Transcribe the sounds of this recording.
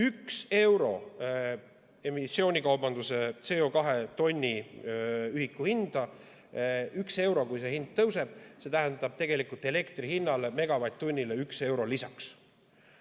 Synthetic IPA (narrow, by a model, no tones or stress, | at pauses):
ykse̞wɾo̞̰ | e̞misːo̞ːnʲikɑwb̥ɑnd̪use̞t̪se̞o̞kɑɦe̞t̪o̞nʲːi | yhikːˑuhind̪̥ɑ | ykse̞wɾo̞kujse̞hind̪̥̚t̪ɤwse̞b̥se̞t̪æɦænd̪̥ɑb̥t̪e̞ɡ̥e̞likult̪ːˑe̞le̞kt̪rihinːɑleme̞ɡ̥ɑvɑjt̪ːonʲːileykse̞wɾolisɑks